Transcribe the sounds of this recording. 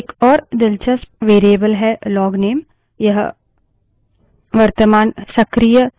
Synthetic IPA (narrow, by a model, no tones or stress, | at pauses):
ekɔːɾd̪ɪlt͡ʃəsʋeːɾiebəlɦɛlɔːɡneːm | jɐɦ | ʋɐɾt̪əmaːnsɐkɾijə